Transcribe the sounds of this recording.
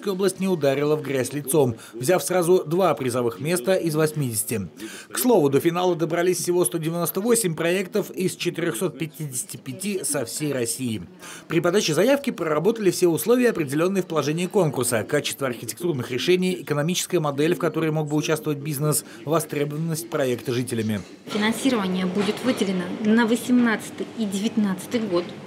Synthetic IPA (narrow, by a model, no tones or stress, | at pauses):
kəjoblˠəsʲtʲnʲɪʊd̪aɾʲɪlˠəvɡɾʲæsʲlʲɪt̪so̞m | vzʲafsrazʊd̪vapɾʲɪzɐvɨxmʲe̞st̪əʔɪzvɐsʲmʲidʲɪsʲɪ̥tʲɪkslˠo̞vʊd̪əfʲɪnalˠəd̪əbɾɐlʲisʲfsʲɪvo̞st̪odʲɪvʲɪno̞st̪əvo̞sʲɪmʲpɾɐɛkt̪əfɪst͡ɕɪt̪ɨɾʲoxso̞t̪̚pʲɪtʲidʲɪsʲɪ̥tʲɪpʲɪtʲisɐfsʲejrɐsʲijɪpɾʲɪpɐd̪at͡ɕɪzɐjafkʲɪprərɐbo̞t̪əlʲɪfsʲeʊslˠo̞vʲɪjəɐpɾʲɪdʲɪlʲo̞nːɨjəfpəlˠɐʐɛnʲɪːko̞nkʊrsəkat͡ɕɪ̥st̪vəɐrxʲɪtʲɪ̥kt̪urnɨxɾʲɪʂɛnʲɪjɪkənɐmʲit͡ɕɪ̥skəjəmɐd̪ɛlʲfkɐt̪o̞ɾəjmo̞ɡ̚bɨʊt͡ɕast̪vəvət̚ʲbʲiznəs | vɐst̪ɾʲebəvənːəsʲt̚ʲpɾɐɛkt̪əʐɨtʲɪlʲɪmʲɪ | fʲɪnɐnsʲiɾəvənʲɪjəbudʲɪt̪vɨdʲɪlʲɪnənəvəsʲɪmnat̪sɨ̥t̪ɨjidʲɪvʲɪt̪nat̪sɨ̥t̪ɨjɡot̪